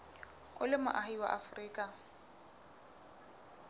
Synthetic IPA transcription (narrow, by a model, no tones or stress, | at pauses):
ʊlɪma̰ʔahiwa̰ʔafriːkʼa